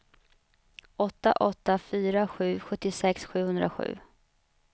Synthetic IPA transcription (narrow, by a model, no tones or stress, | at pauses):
ɔt̪ːa̰ʔɔt̪ːafyːɾaɧʉ̟ːɧɵt̪ːɪsɛksɧʉ̟ːhɵnd̪ɾa̰ɧʉ̟ː